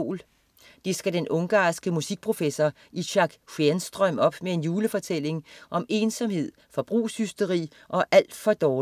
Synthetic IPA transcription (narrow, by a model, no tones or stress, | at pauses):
l | d̥e̝sɡ̥æd̥enʔɔ̽ŋɡ̥ɑ̰̈ːsɡ̥əmusiɡ̥̚pʰʁo̝fesɒ | iɕɑ̈ɡ̥fensd̥ʁœməɒ̽b̥mee̝njuːləfɒ̽t͡sʰel̰e̝ŋʔɒ̽me̝ːnsɒ̽mhe̝ð̞̰ˠfɒ̽b̥ʁṵːshysd̥əʁḭː | ʔɒ̽ʔæl̰d̥fɒ̽d̥ɒː